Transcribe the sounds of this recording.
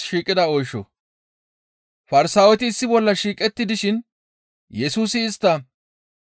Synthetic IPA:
ʃiːkʼːɪd̪ɐɔjʃɔ̰ | fɐɾɪsaːwɛt̪ɪːsːɪbɔlːɐʃiːkʼɛt̪ːɪd̪ɪʃɪn | jɛsuːsɪːst̪ːɐ

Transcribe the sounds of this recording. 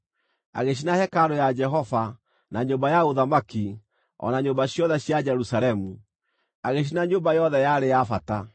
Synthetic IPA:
a̰ɣeɕinahɛkaɾojad͡ʒɛɦɔva | naɲombajaoðamaki | ɔ̰naɲombaɕjɔðɛɕjad͡ʒɛɾusalɛmu | aɣeɕ̬inaɲombajɔðɛjaɾejafata

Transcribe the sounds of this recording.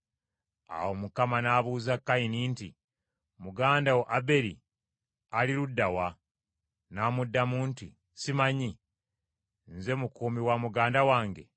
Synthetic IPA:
a̰womukamanaːβuːzakːainiːntḭ | muɡaːndawoʔabe̞ɾḭ | aliɾudːawa | naːmudːamuːnti | simaɲi | nze̞mukuːmiwamuɡaːndawaːŋɡe̞̰

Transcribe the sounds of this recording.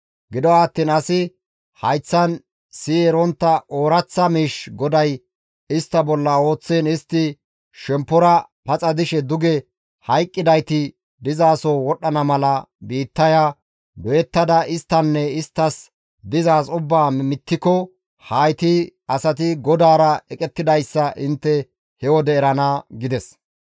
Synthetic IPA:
ɡɪd̪ɔaːt̪ːiːnɐsɪ | hɐjt͡sːɐn | siːɛɾɔnt̪ːɐʔoːɾɐt͡sːɐmiːʃɡɔd̪ɐj | ɪst̪ːɐbɔlːɐo̞ːt͡sːeːnɪst̪ːɪ | ʃɛmpːɔɾɐ | pɐt͡sʼɐd̪ɪʃɛd̪ʊɡɛ | hɐjkʼːɪd̪ɐjt̪ɪ | d̪ɪzaːsɔwɔɗːɐnɐmɐlɐbiːt̪ːɐja | d̪ɔjɛt̪ːɐd̪ɐʔɪst̪ːɐnːɛɪst̪ːɐs | d̪ɪzaːsʊbːaːmɪt̪ːɪkɔ | hɐjt̪ɪɐsɐt̪ɪɡɔd̪aːɾɐɛkʼɛt̪ːɪd̪ɐjsːɐʔɪnt̪ːɛ | hɛwɔd̪ɛːɾɐnaːɡɪd̪ɛs

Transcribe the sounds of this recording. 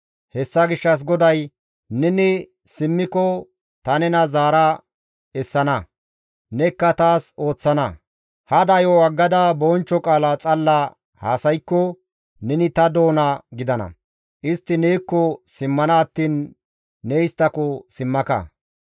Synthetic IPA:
hɛsːɐɡɪʃːɐs̬ɡɔd̪ɐj | nɛnɪ | sɪmːɪkɔ | t̪ɐnɛnɐzaːɾɐ | ɛsːɐnɐ | nɛkːɐt̪aːso̞ːt͡sːɐnɐ | hɐd̪ɐjɔwɐɡːɐd̪ɐbɔːnt͡ʃːɔkʼaːlat͡sʼɐlːɐ | haːsɐjkːɔ | nɛnɪt̪ɐd̪o̞ːnɐɡɪd̪ɐnɐ̰ | ʔɪst̪ːɪnɛjkːɔsɪmːɐnɐːt̪ːiːnː | ɛɪst̪ːɐkɔsɪmːɐkɐ̰

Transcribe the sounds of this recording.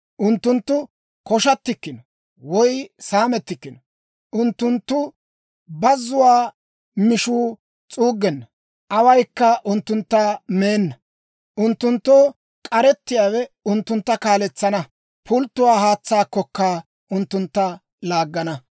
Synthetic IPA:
ʔʊnt̪ːʊnt̪ːʊ | kɔʃɐt̪ːɪkːɪnɔ | wɔjsaːmɛt̪ːɪkːɪnɔ | ʔʊnt̪ːʊnt̪ːʊ | bɐzʊwaː | mɪʃuː | t͡sʼuːɡːɛnːɐ | ʔɐwɐjkːɐʔʊnt̪ːʊnt̪ːɐmeːnːɐ | ʔʊnt̪ːʊnt̪ːoː | kʼɐɾɛt̪ːɪjaːwɛʊnt̪ːʊnt̪ːɐkaːlɛt͡sːɐnɐ | pʊlt̪ːʊwaːhaːt͡sːaːkːɔkːa | ʔʊnt̪ːʊnt̪ːɐ | laːɡːɐnɐ

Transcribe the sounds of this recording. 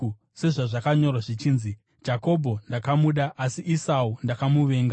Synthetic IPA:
se̞ʐaʐakaɲo̞rwaʐit͡ʃiːnzi | d͡ʒako̞bʱo̞ndakamuɗaʔasiʔisaundakamuʋe̞ːŋɡa

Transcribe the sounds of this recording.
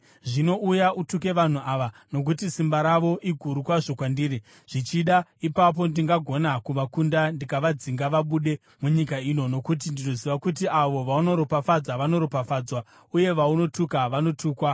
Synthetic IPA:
ʐino̞ʔujaʔutuke̞ʋan̤uʔaʋano̞k̬utisimbaɾaʋo̞ʔiɡʱuɾukwaʐo̞kwandiːɾi | ʐ̥it͡ʃiɗaipap̬o̞ndiŋɡaɡʱo̞nakuʋakundandikaʋad͡ziŋɡaʋaɓuɗe̞ | muɲikaino̞no̞kut̬indino̞ziʋakut̬iʔaʋo̞ʋauno̞ɾopafad͡zaʋano̞ɾopafaːd͡zwa | uje̞ʋauno̞tukaʋano̞tʰuːkwa

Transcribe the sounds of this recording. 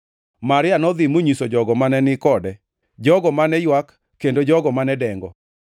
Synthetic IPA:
maɾɪanɔd̪ɪmoɲisod͡ʒɔɡɔmanɛnɪkɔdɛ | d͡ʒɔɡɔmanɛjwakː | endod͡ʒɔɡɔmanɛdɛŋɡɔ

